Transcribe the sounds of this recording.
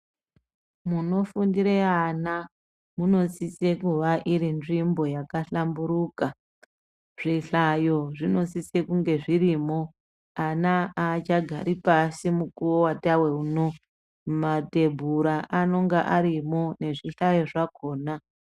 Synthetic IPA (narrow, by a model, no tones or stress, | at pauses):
muno̞fundiɾeana | muno̞sise̞kuʋaʔiɾinʐimbo̞jakaɬambuɾuka | ʐ̥iɬajo̞ʐino̞sise̞kuŋɡe̞ʐirimo̞ | anaat͡ʃaɡʱa̰ɾipasimukuwowatawe̞uno | mate̞bʱuɾaʔano̞ŋɡaʔaɾimo̞ne̞ʐiɬajo̞ʐako̞ːna